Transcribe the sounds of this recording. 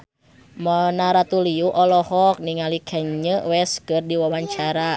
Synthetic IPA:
mənaɾat̪uliuʔɔlɔhɔk̚niŋalikʰɛɲɲəwɛskɨrdiwawaɲt͡ʃaɾa

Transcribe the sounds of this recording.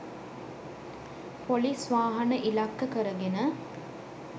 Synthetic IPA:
polisʋaːɦɐnəʔilakːəkəɾəɡenə

